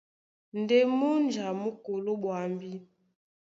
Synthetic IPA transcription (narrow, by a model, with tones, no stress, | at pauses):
n˨de˦mu˦nd͡ʒa˨mu˦ko˨lo˦ɓwa˨mbi˦